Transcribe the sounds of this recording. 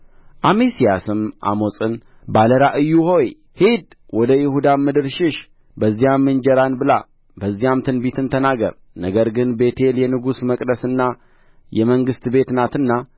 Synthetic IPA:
ʔamesijasɨmʔa̰mo̞sʼɨn | baləɾaʔɨjːuho̞j | hid̪ | wɔd̪əjɪhud̪amːɨd̪ɨɾʃɪʃ | bəzːijamːɨnd͡ʒɛɾanbɨla̰ | bəzːijamt̪ʰɨnbit̪ʰɨnt̪ʰənaɡə̰ɾ | nəɡəɾɡɨnbe̞t̪ʰe̞ljɛnɨɡusməkʼd̪əsɨnːa | jɛməŋɡɨst̪be̞t̪nat̪ɨnːa

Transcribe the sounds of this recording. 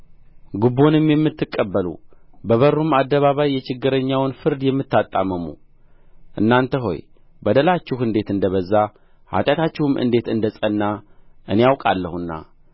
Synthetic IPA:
ɡubo̞nɨmjɛmːɨt̪ːɨkʼːəbːəlṵbəβəɾːumad̪ːəβaβajːɛt͡ʃɪɡːɨɾəɲːawnfɨɾd̪jɛmːɨt̪ːat̪ʼːaməmṵ | ʔɨnːant̪ʰəɦo̞̰j | bəd̪əlat͡ʃːɪhɨnd̪e̞t̪ɨnd̪əβəzːa | ha̰t̪ʼjat̪ʰat͡ʃːɪhumʔɨ̰nd̪e̞t̪ɨnd̪əsʼənːaʔɨnejawkʼalːəhunːa̰

